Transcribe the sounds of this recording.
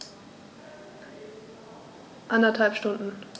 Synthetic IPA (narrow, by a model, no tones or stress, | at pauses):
ʔandɐthalpʃtʊndn̩